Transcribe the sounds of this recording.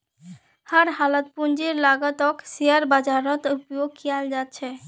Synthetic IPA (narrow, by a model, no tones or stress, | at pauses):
həɾɦalət̪̚pund͡ʒiɾlaɡət̪ɔksijəɾbad͡ʒaɾɔt̪upjoɡ̚kijald͡ʒat̪̚t͡ʃʰɛ